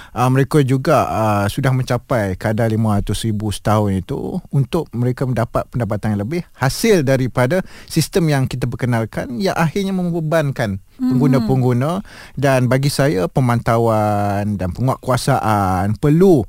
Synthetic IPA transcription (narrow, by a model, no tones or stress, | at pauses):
ʔəməɾekad͡ʒuɡaəsudahmə̃ɲt͡ʃapajkadalimãɾat̪ʊsɾibusə̥t̪aɦʊnit̪ṵunt̪ʊʔ̚məɾekaməndapat̪̚pəndap̬at̪anləbɪhhasɪldaɾipadasist̪əmjaŋkit̪abəkənalkanjaŋʔaɦɪrɲamə̃mbəbankan | pəŋɡunãpəŋɡunã | danbaɡisajapəmãnt̪awandanpəŋuaʔkuasaʔanpərlu